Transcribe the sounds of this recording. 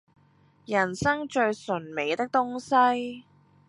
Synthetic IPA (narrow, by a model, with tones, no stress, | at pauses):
jɐ˨˩nsɐ˥ŋt͡ʃɵ˧ɥsɵ˨˩nme˨˧jt̪ɪ˥k̚t̪ʊ˥ŋsɐ˥j